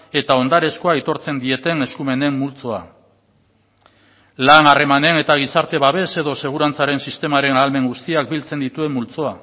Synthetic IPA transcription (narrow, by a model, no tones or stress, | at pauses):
e̞t̪ao̞nd̪aɾe̞sko̞ait̪o̞ɾt͡se̞nd̪ie̞t̪e̞ne̞skume̞ne̞mːult͡so̞a | lanare̞mane̞ne̞t̪aɣ̞isaɾt̪e̞βaβ̞e̞se̞ðo̞se̞ɣ̞uɾant͡saɾe̞nsist̪e̞maɾe̞naːlme̞ŋɡust̪iak̚bilt͡se̞nd̪it̪ue̞mːult͡so̞a